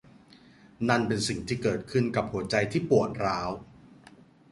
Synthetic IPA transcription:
na˥˩npe˧nsi˨˩ŋt̪ʰiː˥˩kɤː˨˩t̪̚kʰɯ˥˩nka˨˩p̚hu˩˦ɐt͡ɕa˧jt̪ʰiː˥˩pu˨˩ət̪̚ɾaː˦˥w

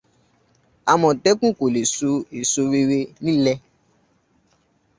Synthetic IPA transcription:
a˨mɔ̃˨tɛ˦kũ˦˨ko˨le˨su˧e˨so˧wi˧˦ɾe˧nĩ˦lɛ˦

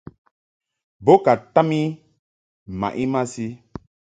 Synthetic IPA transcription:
bo˦ka˨ta˦mi˦˨ | ma̰˨ʔi˦ma˦si˦

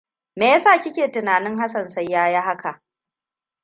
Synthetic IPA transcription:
meː˨jɐ˦saː˦˨kʲɪ˦kʲeː˨tɪ˨naː˨nɪ˦ŋɦa˦sɐ˨nsɐ˦jːaː˦ja˦ɦa˦ka˨ʔ

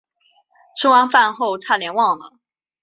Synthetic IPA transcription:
ʈ͡ʂʰə˥ŋwa˥nfa˥˧nxo˥˧ʊt͡sʰa˥˩ljɛ˧˥nwɑ˥˨ŋlə̰˨˩

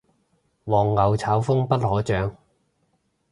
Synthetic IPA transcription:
wɔː˨˩ŋːɐ˨˧wt͡sʰaː˨˥wfʊ˥ŋpɐ˥t̚hɔː˨˥t͡ʃœː˨˧ŋ

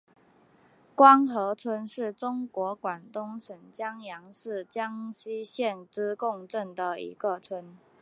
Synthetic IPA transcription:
kwɑ˥ŋxɤ˧˥t͡sʰwə˧˥nʂɻ̩˥˩ʈ͡ʂʊ˥ŋkwɔ˧˥kwa˨˩nt̪ʊ˥ŋʂə˧˥nt͡ɕjɑ˥ŋjɑ˧˥ŋʂɻ̩˥˩t͡ɕjɑ˥ŋɕi˥ɕjɛ˥˨nʈ͡ʂɻ̩˥kʊ˥˧ŋʈ͡ʂə˥˩nd̪ə˩ḭ˧˥ɡə˨t͡sʰwə˧˦n

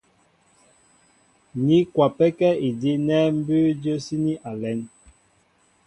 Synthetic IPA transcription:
ni˦kwa˨pɛ˦kɛ˦i˨di˦nɛ˦m̩˦bʉ˦d͡ʒə˦si˦ni˦ʔa˨lɛ˨˦n

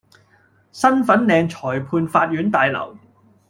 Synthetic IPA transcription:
sɐ˥nfɐ˨˥nlɛː˨˧ŋt͡ʃʰɔː˨˩jpʰuː˧nfaː˧t̚jyː˨˥nt̪aː˨˧jlɐ̰˨˩w

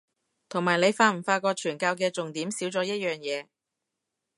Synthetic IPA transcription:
t̪ʰʊ˨˩ŋmaː˨˩jne˨˧jfaː˧m̩˨˩faː˧kɔː˧t͡ʃʰyː˨˩nkaː˧wkɛː˧t͡sʊ˨ŋt̪iː˨˥msiː˨˥wt͡sɔː˨˥jɐ˥t̚jœː˨˩ŋjɛː˨˧

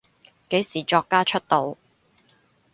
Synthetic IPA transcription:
ke˨˥jsiː˨˩t͡ʃɔː˧kːaː˥t͡ʃʰɵ˥t̚t̪o˨˧w

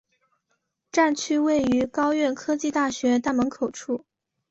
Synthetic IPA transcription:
ʈ͡ʂa˥˩nt͡ɕʰy˥we˥˩ɪy˧˥kɑ˥ʊɥɛ˥˩nkʰɤ˥t͡ɕi˥˧t̪a˥˩ɕɥɛ˧˥t̪a˥˩mə˧˥ŋkʰo˨˩ʊʈ͡ʂʰu˥˩

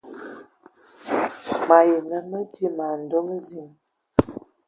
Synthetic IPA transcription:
ma˨je˨nə˦˨mə˦di˦ma˨n̩˨do˦m˦zi˦˨ŋ

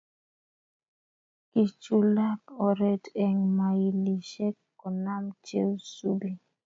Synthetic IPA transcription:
ki˨t͡ʃu˦la˦kɔ˨ɾɛ˨tɛ˨ŋma˨i˨li˨ʃɛ˦kːɔ˨na˦mt͡ʃḛ˦wsu˦bi˦

